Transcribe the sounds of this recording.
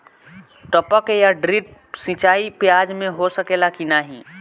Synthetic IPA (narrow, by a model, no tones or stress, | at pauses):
ʈəpəkjaɖɾiʈ̚ | sĩt͡ʃaːipjaːd͡ʒmẽɦosəkelakinaɦĩ